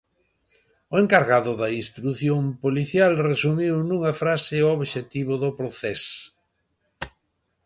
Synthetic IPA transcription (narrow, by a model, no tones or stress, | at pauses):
ʊeŋkaɾɣaðʊðɐinst̪ɾuθjompoliθjalresumiwnũŋɐfɾasɪooβʃet̪iβʊðʊpɾoθɛs